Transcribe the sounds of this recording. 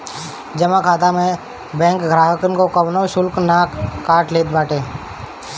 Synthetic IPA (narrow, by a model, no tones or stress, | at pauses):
d͡ʒəmakʰaːt̪amẽ | bɛ̃ːŋkɡʱɾaːɦəkənkokəʋnoʃʊlknaːkːaːʈleːt̪baːʈeː